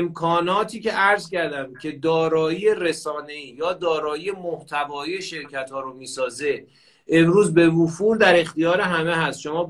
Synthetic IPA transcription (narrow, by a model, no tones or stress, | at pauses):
mkʰɒːnɒːt̪ʰiːce̞ʔæɾzcæɾd̪æmcʰe̞d̪ɒːɾɒːiːjeɾe̞sɒːne̞iːjɒːd̪ɒːɾɒːjiːje̞moht̪ʰævɒːiːjeʃe̞ɾcʰæt̪ʰhɒːɾomiːsɒːze̞ | emɾuːzbe̞vufuld̪æɾe̞xt̪ijɒːɾeɦæmeɦæst̪ʃomɒː